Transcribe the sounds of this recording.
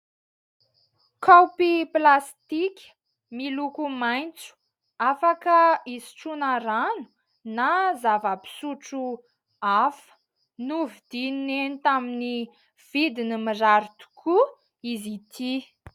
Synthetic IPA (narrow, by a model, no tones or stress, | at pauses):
kawpiplast̪ikʲə̥ | milukumajnt͡su̥ | afakəizi̥ʈ͡ʂunaɾanu̥ | nazavəpi̥suʈ͡ʂu | afə̥ | nuvid̪̥innenit̪amini | v̥id̪inimizaɾit̪u̥kʰu | izit̪ʰi